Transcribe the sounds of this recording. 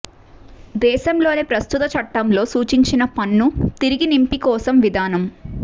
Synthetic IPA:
d̪ɛːʃɐmlo̞ːneːpɾɐst̪ut̪ɐt͡ʃɐʈːɐmlo̞ːsuːt͡ʃiɲt͡ʃinɐpɐnːut̪iɾiɡinimpikɔːsɐmʋid̪aːnɐm

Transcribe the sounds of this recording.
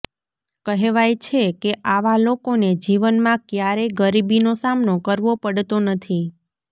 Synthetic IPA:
kəɦeʋajt͡ʃʰekeʔaʋalokoned͡ʒiʋənmãkjaɾeɡəɾibinosamnokəɾʋopəɽt̪onət̪ʰi

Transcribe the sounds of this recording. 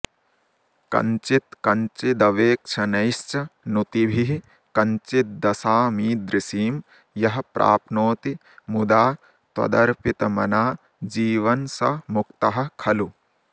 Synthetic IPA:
kɐ̰ɲt͡ʃit̪kɐɲt͡ʃid̪ɐʋeːk̚t͡ʃʰɐnɐjʃt͡ʃɐnut̪ibʱiɦi | kɐɲt͡ʃit̪̚d̪ɐsaːmiːd̪ɾisiːm | jɐɦɐpɾʔa̰ːpnoːt̪i | mud̪aː | t̪wɐ̰d̪ɐɾpit̪ɐmɐ̰naː | d͡ʒiːʋɐnsɐmukt̪ɐɦɐ̆kʰɐlu

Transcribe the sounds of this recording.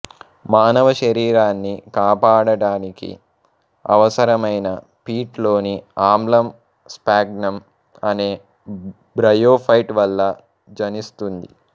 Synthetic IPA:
maːnɐʋɐʃɐɾiːɾaːnːikaːpaːɽɐɽaːnikḭ | ɐ̰ʋɐsɐɾɐmɐjnɐ | piːʈlo̞ːniaːmlɐm | spaːɡnɐm | ɐne̞ː | bɾɐjoːpʰɐjʈʋɐlːɐ | d͡ʒɐnist̪und̪ḭ

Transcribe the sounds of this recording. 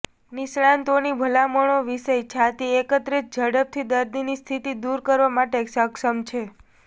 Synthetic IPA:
nisɭãnt̪onibʱəlamoɳ̃oʋiʃəjt͡ʃʰat̪iekət̪ɾit͡ʃd͡ʒəɽəp̚t̪ʰid̪əɾd̪inist̪ʰit̪id̪uɾkəɾʋamaʈeksəkʃəmt͡ʃʰe

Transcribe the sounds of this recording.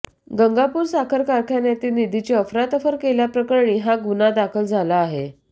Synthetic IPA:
ɡəŋɡapuːɾsakʰəɾkaɾkʰjanjat̪iːlnid̪ʱit͡ɕeəfɾat̪əfəɾkeljapɾəkəɾɳiːɦaɡunad̪akʰəld͡zʱalaːɦe

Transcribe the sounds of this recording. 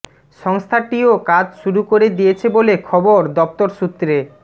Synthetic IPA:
ʃɔŋst̪ʰaʈiokad͡ʑʃuɾukoɾed̪ijet͡ɕʰebolekʰɔboɾd̪ɔp̚t̪oɾʃut̪ːɾe

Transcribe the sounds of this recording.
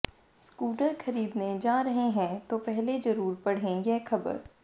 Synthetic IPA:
skuːʈəɾxɐɾiːd̪ned͡ʒaːɾɐɦeɦɛ̃t̪opɛɦled͡ʒɐɾuːɾpɐɽ̤ẽːɡeːkʰɐbə̰ɾ

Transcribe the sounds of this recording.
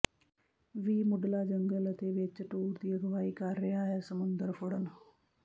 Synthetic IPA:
ʋiːmʊɖlaːd͡ʒəŋɡələt̪eːʋɪt͡ʃʈuːɾd̪iːəɡəʋaːiːkəɾːɪɦaːɦɛːsəmʊnd̪əɾpʰʊɽən

